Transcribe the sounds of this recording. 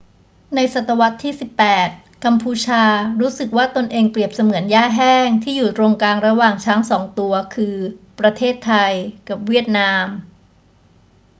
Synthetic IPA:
na˧jsa˨˩t̪ʰːa˧wa˦˥t̪ʰːiː˥˩si˨˩pːɛː˨˩t̪̚ | ka˧mpʰuː˧t͡ɕʰaː˧ɾuː˦˥sɯ˨˩k̚waː˥˩t̪o˧nʔeː˧ŋpɾi˨˩əp̚sa˧mɯ˩˦ənjaː˥˩ɦɛː˥˩ŋt̪ʰiː˥˩juː˨˩t̪ɾoː˧ŋkaː˧ŋɾa˧waː˨˩ŋt͡ɕʰaː˦˥ŋsɔː˩˦ŋt̪u˧ɐkʰɯː˧pɾa˧t̪ʰeː˥˩t̪ʰːa˧jka˨˩p̚wi˥˩ət̪̚naː˧m

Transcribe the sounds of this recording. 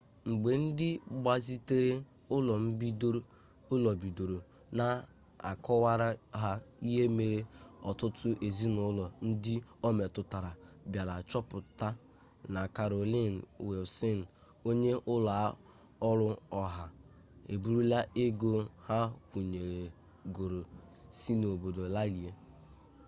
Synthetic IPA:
ŋ͡m̩˨ɡ͡be˨n̩˦dɪ˦ɡ͡ba˨zi˦te˦ɾe˦ | ʊ˦lɔ˨m̩˦bi˦do˦ | ʊ˦lɔ˨bi˨do˨ɾo˨ | na˨ | a̰˨kɔ˦wa˦ɾa˦ɦa˦i˦ɦe˦me˨ɾe˦ɔ˨tʊ˦tʰʊ˦ʔe˨zi˦nʊ˦lɔ˨n̩˦dɪ˦o˦me˨tʊ˨ta˨ɾa˨ | bja˨la˨t͡ʃɔ˦pʊ˨ta˦ | na˨ka˨ɾo˨li˦˨n̩˨we˨ʊ˨sɪ˦n̩˨ | o˦ɲe˦ʔʊ˦la˨˦ | ɔ˦ɾʊ˦ɔ˦ɦa˨ | ḛ˨bu˦ɾu˦la˦ʔe˦ɡo˦ha˦kʷu˨ɲe˨ɾe˨ | ɡo˨ɾo˨si˦no˨bo˨do˨la˦li˨e˦

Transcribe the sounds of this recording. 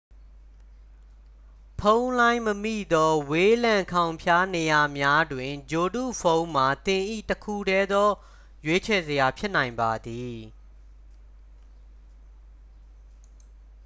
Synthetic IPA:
pʰõ˦ʊ̃nlã˦ɪ̃məmḭ˦˨d̪ɔ˦we˦lã˨ŋkʰã˨ʊ̃mpʰja˦ne˨ja˨mja˦dwɪ̃˨d͡ʑo˨dṵ˦˨pʰõ˦ʊ̃ma˨t̪ɪ̃˨ʔḭ˦˨təkʰu˦˨dɛ˦d̪ɔ˦ | jwe˦t͡ɕʰɛ˨zəja˨pʰjɪ˦ʔnã˨ɪ̃mba˨d̪i˨

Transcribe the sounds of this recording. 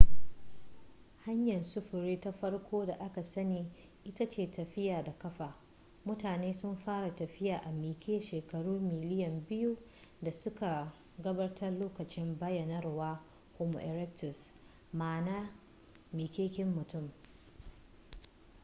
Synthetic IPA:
ha˦ɲjɐ˨nsʊ˦ɸʊ˨ɾiː˦ta˦ɸɐ˦rkʷoː˦da˨ʔa˦ka˨sɐ˦niː˨ | ʔɪ˦tɐ˦t͡ʃeː˨tɐ˨ɸɪ˦jaː˨da˨kɐ˦ɸaː˨ | mʊ˦taː˨neː˦sʊ˦mɸaː˦ɽa˨tɐ˨ɸɪ˦jaː˨ʔa˨miː˨kʲʰeː˦ʃeː˨kɐ˨ɽuː˦mɪ˨lɪ˦jɐ˨mbɪ˦ju˦ | da˨sʊ˦ka˨ | ɡɐ˦bɐ˦rtʰɐ˦rloː˦kɐ˨t͡ʃɪ˦mbɐ˦jɐ˨nɐ˦rwaː˦ | ho˨mo̰˨ʔɛ˨ɾɛ˦k̚tʊ˨s | maː˨naː˦ | miː˨kʲeː˦kʲɪ˦mːʊ˨tʊ˦˨m

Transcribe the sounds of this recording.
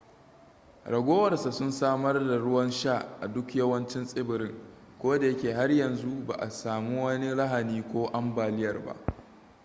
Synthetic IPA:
ɽɐ˨ɡʷoː˦wɐ˨rsa˨sʊ˦nsaː˦mɐ˦rda˨ɽʊ˦wɐ˦nʃaː˦˨ʔʔa˨dʊ˦kjɐ˦wɐ˦nt͡ʃɪ˦nsʼɪ˦bɪ˨ɾɪ˦ŋ | kʷoː˦da˨jɐ˦kʲeː˨ɦa˦rjɐ˨nzu˦ba̰ː˨ʔa˨saː˨mu˦wɐ˦ni˦lɐ˦ɦa˨niː˦kʷoː˦ʔa˦mbaː˨lɪ˦jɐ˨rba̰˦ʔ

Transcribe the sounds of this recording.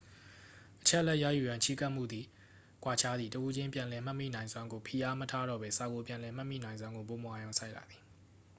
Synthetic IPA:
ʔət͡ɕʰɛ˦ʔəlɛ˦ʔja̰˦˨ju˨jã˨t͡ɕʰi˦˨ka˦ʔm̥ṵ˦˨d̪ði˨ | kwa˨t͡ɕʰa˦d̪ði˨təʔu˦d͡ʑɪ̃˦mpjã˨lɛ˨m̥a˦ʔmḭ˦˨nã˨ɪ̃nzwã˦ŋɡo˨pʰi˨ʔa˦mətʰa˦ɾɔ̰˦˨bɛ˦sa˨ɡo˨pjã˨lɛ˨m̥a˦ʔmḭ˦˨nã˨ɪ̃zwã˦ŋɡo˨p̬o˨mo˨ʔa˨jõ˨ʊ̃sʰa˦ɪʔta˨d̪ði˨

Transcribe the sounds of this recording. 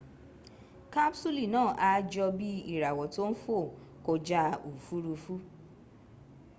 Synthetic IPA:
ka˦bsu˦li˦˨nãː˦˨ʔa˧d͡ʒɔ˧bi˦i˦˨ɾa˨wɔ˨to˦n̩˦fo˦˨ | ko˧d͡ʒa˧˦u˨fu˦ɾu˧fu˦

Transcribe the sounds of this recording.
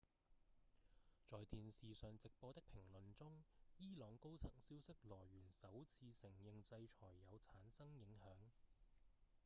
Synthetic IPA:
t͡sɔː˨jt̪iː˨nsiː˨sœː˨ŋt͡sɪ˨k̚pɔː˧t̪ɪ˥k̚pʰɪ˨˩ŋlɵ˨nt͡sʊ˥ŋjiː˥lɔː˨˧ŋko˥wt͡sʰɐ˨˩ŋsiː˥wsɪ˥k̚lɔː˨˩jɥyː˨˩nsɐ˨˥wt͡sʰiː˧sɪ˨˩ŋjɪ˨ŋt͡sɐ˧jt͡ʃʰɔː˨˩jːɐ˨˧wt͡sʰaː˨˥nsɐ˥ŋjɪ˨˥ŋhœː˨˥ŋ

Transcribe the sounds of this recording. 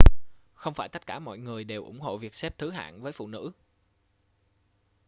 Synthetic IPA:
xə˧wŋ͡mfaː˧˩jt̪ə˦˥t̚kaː˧˩mɔ̰˧˨jŋɨ˨˩əjɗe˨˩wʔʊ˧˩ŋ͡mɦo̰˧˨vi˨˩ək̚sɛ˦˥p̚t̪ʰɨ˨˦ɦa̰ː˧˨nvəː˨˦jfṵ˧˨nɨ̰˧˥

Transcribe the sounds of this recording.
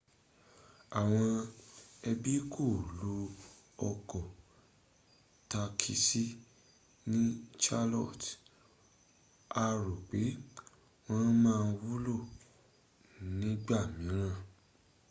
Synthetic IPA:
a˨w̃ɔ̃˧ | ɛ˧bi˦kʰo˦˨lu˦ | ɔ˧kɔ˨ | ta˧kʰi˧si˦ | nĩ˦t͡ʃa˦lɔ˦˨t | a˧ɾo˨k͡pe˨˦ | w̃ɔ̃˦mãː˦˧n̩˧wu˦lo˦˨ | nĩ˨˦ɡ͡ba˦˨mĩ˨˦ɾ̃ã˦˨

